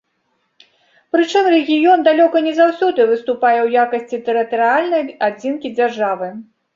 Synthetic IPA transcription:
pɾɨt͡ʂɨmrɛɣʲijɔnd̪alʲɔkɐnʲɛzawsʲɔd̪ɨvɨst̪upajɛwjakɐsʲt͡sʲit̪ɛɾɨt̪ɐɾɨalʲnɐjad͡zʲinkʲid͡zʲarʐavɨ

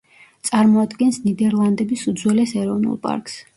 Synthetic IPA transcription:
t̪sʼaɾmɔad̪ɡɛnsnid̪ɛɾlˠand̪ɛbisud̪zwɛlɛsɛɾɔvnṵlˠpʼa̰ɾks

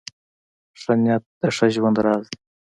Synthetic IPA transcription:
ʂanjat̪̚d̪əʂaʒwand̪ɾɑːz

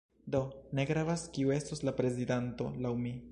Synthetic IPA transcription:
d̪o̞ne̞ɡɾavaskiue̞stoslapɾe̞zidanto̞lawmi

